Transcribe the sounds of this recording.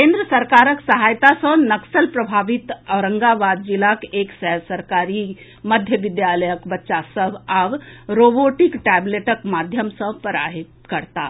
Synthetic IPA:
kẽːnd̪ɾəsɐɾkaːɾəksɐɦaːjt̪asə̃nɐksəlpɾɐbʱaːʋit̪əɾə̃ŋɡabaːd̪̚d͡ʒilakeːksɛɦsəɾkaːɾi | məd̪ʱjəʋɪd̪jaləjəkbɐtːʃasəbaʋɾoboʈikʈɛbleʈəkmad̪ʱjəmsə̃pəɾa̰ːɦit̪kəɾt̪a

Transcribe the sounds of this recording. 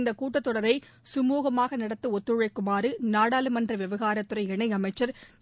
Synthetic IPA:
nd̪ɐkuːʈːɐt̪ːɔɽɐɾɐɪ | sʊmuːɣɐmaːɣɐnɐɽɐt̪ːɯɔt̪ːɯɻɐɪkːʊmaːɾɯnaːɽaːlɯmɐndrɐʋɪʋɐɣaːɾɐt̪ːɯɾɐɪɛɳɐɪɐmɐɪt͡ʃːɐɾ

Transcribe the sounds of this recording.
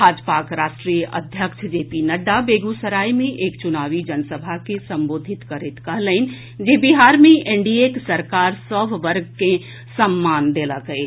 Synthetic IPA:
ad͡ʒpakɾasʈɾijəʔəd̪ʱjəkt͡ʃʰd͡ʒepinəɖabeɡusəɾaimẽʔeːkt͡ʃunaʋid͡ʒənsəbʱakesə̃mboːd̪ʱit̪kəɾet̪kəɦləɪn̆ | d͡ʒebiɦaɾmeʔeɳɖieksəɾkaɾsəbʱʋəɾɡ̚ke | səmːand̪eləkɦəɪ

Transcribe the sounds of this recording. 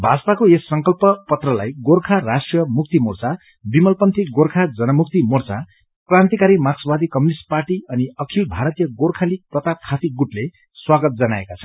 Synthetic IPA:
bʱad͡zt̪akoesːʌŋkʌlpʌpʌt̪rʌla̰jɡorkʰarasʈrijʌmuk̚t̪imort͡sa | bimʌlpʌnt̪ʰiɡorkʰad͡zʌnʌmukt̪imort͡sa | krãnt̪ikaɾimaksʌbad̪ikʌmjunisʈ̚parʈiʌniʌkʰilbʱaɾʌt̪ijʌɡorkʰalik̚prʌt̪ap̚kʰat̪iɡuʈle | swaɡʌt̪̚d͡zʌnaḛkat͡sʰʌ̥

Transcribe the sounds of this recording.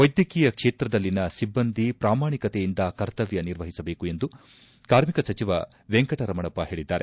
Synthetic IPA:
ʋɐjd̪jɐkiːjɐkʂeːt̪ɾɐd̪ɐlːinɐsibːɐnd̪ʱipɾaːmaːɳikɐt̪ejind̪ɐkɐɾt̪ɐʋjɐniɾʋɐɦisɐbe̞ːkue̞nd̪u | kaːɾmikɐsɐt͡ʃiʋɐ | ʋeŋkɐʈɐɾɐmɐɳɐpːɐɦe̞ːɭid̪ːaːɾe

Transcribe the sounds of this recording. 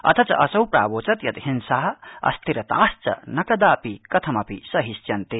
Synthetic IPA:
ɐ̰t̪ʰɐt͡sɐ̰ʔɐsɐwpɾa̰ːboːt͡sɐt̪jɐt̪ɦinsaːɦɐɐ̰st̪ʰiɾɐt̪a̰ːst͡sɐ̰nɐkɐd̪aːpikɐt̪ʰɐmɐpisɐɦist͡ʃjɐnt̪i

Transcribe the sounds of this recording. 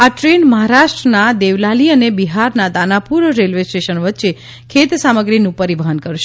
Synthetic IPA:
aʈɾenməɦaɾaʃʈɾənad̪eʋlaliənebiɦaɾnad̪anapuɾɾelʋesʈeʃənʋət̪ːʃe | kʰet̪saməɡɾinũpəɾiʋəɦənkəɾʃe

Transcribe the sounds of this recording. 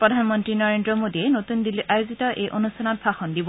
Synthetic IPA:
pɹɔdʱanmɔntɹinɔɹendɹɔmodiɛnotundilʔajozitɔʔejʔonustʰanɔtsaxɔndibɔ

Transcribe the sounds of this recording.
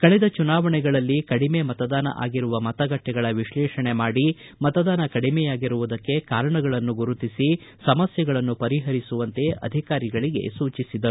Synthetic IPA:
kɐɭɛd̪ɐt͡ʃunaːʋɐɳɛɡɐɭɐlːikɐɽime̞mɐt̪ɐd̪aːnɐ̰ʔa̰ːɡiɾuʋɐmɐt̪ɐɡɐʈːɛɡɐɭɐʋiʃɭɛːʃɐɳe̞maːɽi | mɐt̪ɐd̪aːnɐkɐɽimɛjaːɡiɾuʋud̪ɐkːe̞kaːɾɐɳɐɡɐɭɐnːuɡuɾut̪isi | sɐmɐsjɐɡɐɭɐnːupɐɾiɦɐɾisuʋɐnt̪e̞ɐ̰d̪ʱikaːɾiɡɐɭiɡe̞̰suːt͡ʃisid̪ɐɾu

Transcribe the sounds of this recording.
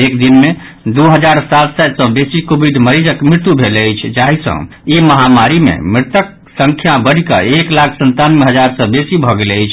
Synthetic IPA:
ekd̪inme | d̪uɦəd͡ʒaɾsat̪sad̪sə̃besikobʱiɖməɾid͡ʒəkmɾit̪ubʱeləjt͡ʃʰd͡ʒaɦisə̰̃ | eməɦamaɾimḛmɾɪt̪ək̚ | səŋkʰjabəɽ̤ikə̰eklakʰsənt̪anmeɦəd͡ʒaɾsə̃besibʱɔɡeleəjt͡ʃʰ

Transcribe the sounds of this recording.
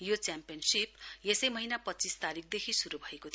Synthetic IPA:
jot͡sjampijʌnsip̚jesʌjmʌɦinapʌtːt͡sist̪aɾik̚ʰd̪ekʰisuɾubʱʌekot̪ʰ

